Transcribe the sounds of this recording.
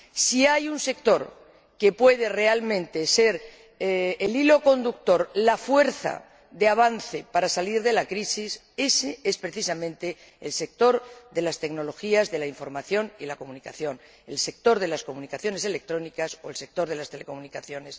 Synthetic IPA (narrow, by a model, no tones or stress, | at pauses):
siajunse̞k̚t̪o̞ɾ | ke̞pwe̞ð̞e̞re̞almẽnt̪e̞se̞ɾ | elilo̞ko̞nd̪uk̚t̪o̞ɾlafwe̞ɾθa̰ | ðeaβ̞anθe̞paɾasaliɾðelakɾisis | e̞see̞spɾe̞θisamẽnt̪e̞ | ḛlse̞k̚t̪o̞ɾðe̞last̪e̞ɡno̞lo̞xiazðe̞laiɱfo̞ɾmaθjo̞niðlako̞munikaθjo̞n | else̞k̚t̪o̞ɾðe̞lasko̞munikaθjo̞ne̞se̞lek̚t̪ɾo̞nikaso̞else̞k̚t̪o̞ɾð̞elast̪e̞leko̞munikaθjo̞ne̞s